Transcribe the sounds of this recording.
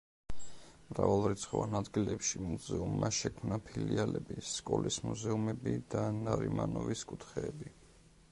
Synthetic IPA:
mɾavalˠɾit̪sʰχɔvanad̪ɡilɛpʃimuzɛumːaʃɛkʰmnapʰilialɛbiskʼɔlʔismuzɛumɛbid̪anaɾimanɔviskʼut̪ʰχɛːbi

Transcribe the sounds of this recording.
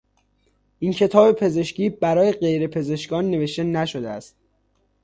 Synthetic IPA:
ʔiːncʰe̞t̪ʰɒːbe̞pʰe̞ze̞ʃciːbæɾɒːje̞ɢe̞jɾe̞pʰe̞ze̞ʃkɒːnːe̞ve̞ʃt̪e̞næʃod̪eæ̰st̪̚

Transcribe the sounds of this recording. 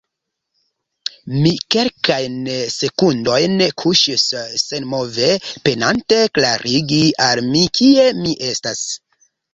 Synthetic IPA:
mike̞lkajnse̞kundo̞jnkʰuʃisːe̞nmo̞ve̞pe̞nante̞klaɾʔiɡialmikʰie̞miʔe̞stas

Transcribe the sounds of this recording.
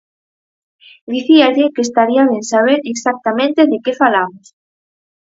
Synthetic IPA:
d̪iθiaʎekest̪aɾiaβensaβ̞eɾeksak̚t̪amẽnt̪eðekefalamʊs

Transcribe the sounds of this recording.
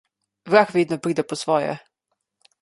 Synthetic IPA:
vɾaxvʲiːd̪nɔpɾiːd̪ɛpɔsvɔjɛ̰

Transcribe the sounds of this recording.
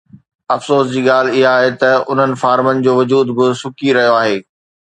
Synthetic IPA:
ɐfsoːsd͡ʑiːɠaːl̤ɪɦaːɦet̪ɐʊn̤ənɪ̆faːɾmənɪ̆d͡ʑoːʋɐd͡ʑuːd̪bɪsʊkiɾɐɦijoaːɦeː

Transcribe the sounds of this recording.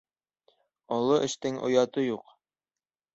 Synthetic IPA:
ɒlˠɤʔɘ̆ʃt̪ɘŋʔŏ̰jɑt̪ɤjuq

